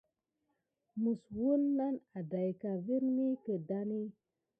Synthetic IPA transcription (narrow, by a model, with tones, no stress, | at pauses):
mu˨swu˦nːa˦na˨da˨jka˨vi˦ɾni˦kə˨da˦ni˦